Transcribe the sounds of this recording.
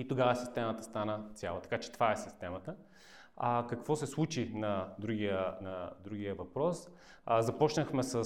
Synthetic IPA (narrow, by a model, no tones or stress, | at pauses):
it̪oɡavəsist̪ɛmət̪əst̪anət̪sʲja̰lˠət̪ɐ̥kat͡ʃɛ̥t̪ovaɛsist̪ɛmət̪ə | kɐkvɔsɛslˠut͡ʃinɐd̪ɾuɡiənɐd̪ɾuɡ̟ijəvɐpɾɔs | zɐpɔt͡ʃnəxmɛsə